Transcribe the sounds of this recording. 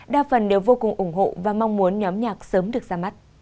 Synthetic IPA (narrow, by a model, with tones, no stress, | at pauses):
ɗa̰ː˧˩fə˨˩nɗe˨˩wvo˧kʊ˨˩ŋʔʊ˧˩ŋ͡mɦo̰˧˨vaː˨˩ma˧wŋ͡mmu˨˦ənɲɔ˨˦mɲaː˨˩k̚səː˨˦mɗɨ˨˩ək̚zaː˧ma˦˥t̚